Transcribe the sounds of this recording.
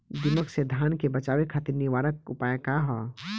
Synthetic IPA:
d̪iməksed̪ʱaːnkebət͡ʃaːʋekʰaːt̪iɾniʋaːɾəkʊpaːjekaɦɔ

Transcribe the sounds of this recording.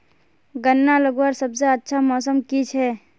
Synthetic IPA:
ɡənːaləɡwaɾsəbseətːʃʰamɔsəmkit͡ʃʰɛ

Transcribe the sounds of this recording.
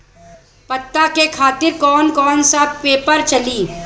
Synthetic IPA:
pɐt̪ːakekʰaːt̪ɪɾkɔːnkɔːnsapeːpəɾt͡ʃɐliː

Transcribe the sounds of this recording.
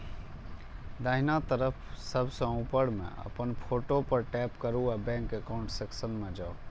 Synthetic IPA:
d̪aɦinat̪əɾəpʰsəbʱsə̃ũpəɽmḛ̃ə̰pənpʰoʈopəɾʈɛːpkəɾuabɛ̃ŋkəkaʊ̃ɳʈseksənmẽd͡ʒao

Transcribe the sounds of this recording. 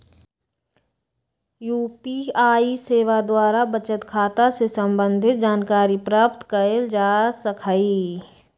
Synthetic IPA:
juːpiaːiseːʋad̪waːɾabət͡ʃət̪kʰaːt̪asesə̃mbə̃nd̪ʱɪt̪̚d͡ʒaːnkaːɾipɾaːpt̪kəeld͡ʒaːsəkʰaːi

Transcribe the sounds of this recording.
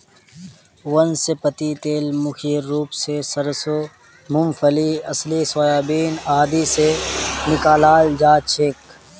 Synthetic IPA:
wɐnsepɐt̪it̪eːlmʊkʰiːɾɾuːpsesɐɾso | mʊmfəliɐsliswaːjaːbiːnaːd̪isenɪkaːlaːld͡ʒaːt͡ʃʰeːk

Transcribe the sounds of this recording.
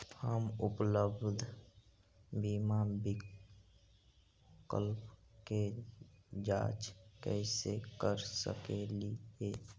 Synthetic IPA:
həmʊpləbd̪ʱ | biːmabɪ | kə̰lpke | d͡ʒa̰ːt͡ʃkɛɪsekəɾsə̰kelieː

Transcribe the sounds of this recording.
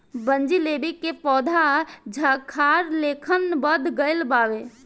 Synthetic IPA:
bənd͡ʒileːbikːepɔːd̪ʱad͡ʒʱakʰaɾleːkʰənbəd̪ʱɡəɪlbaːʋe

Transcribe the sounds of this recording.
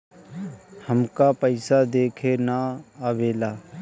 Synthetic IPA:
həmkaːpəɪsaːd̪eːkʰeːnaːaʋeːlaː

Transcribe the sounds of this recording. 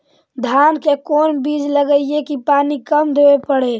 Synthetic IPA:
d̪ʱaːnkekoːnbiːd͡ʒləɡəɪekipaːnikəmd̪eepəɽe

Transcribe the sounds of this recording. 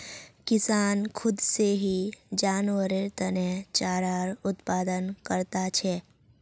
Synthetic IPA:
kɪsaːnkʰʊd̪seɦid͡ʒaːnwəɾeɾt̪ənet͡ʃaːɾaːɾʊt̪paːd̪ənkəɾt̪at͡ʃʰɛː

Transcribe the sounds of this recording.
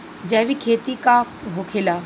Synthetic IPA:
d͡ʒɛːʋikʰeːt̪ika | ɦokʰela

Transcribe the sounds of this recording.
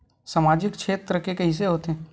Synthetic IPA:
saːmaːd͡ʒɪkt͡ʃʰeːt̪ɾəkekɐɦis̬eɦoːt̪e

